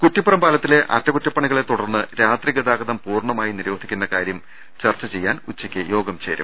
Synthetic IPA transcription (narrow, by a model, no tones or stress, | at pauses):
kutːipːɐrɐmbaːlɐt̪ːile̞ʔɐ̰tːɐkutːɐpːɐɳiɣɐɭe̞t̪uɽɐrnːɨɾaːt̪riɣɐd̪aːɡɐðɐmpuːrɳɐmaːjiniɾo̞ːd̪ʱikʲːunːɐkaːɾjɐm | t͡ɕɐrt͡ɕːɐt͡ɕe̞jːaːnut͡ɕːikʲːɨjo̞ːɡɐmt͡ɕeːɾṵm